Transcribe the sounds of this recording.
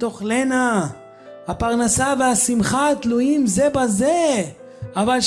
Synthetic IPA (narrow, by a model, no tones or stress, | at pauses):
t̪o̞χlena | hapaʁnasaveasimχat̪lujimze̞baze | avalʃ